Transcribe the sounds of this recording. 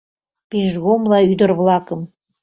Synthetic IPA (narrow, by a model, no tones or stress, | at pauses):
peʒɣomlɑyd̪ə̆rβlɑkəm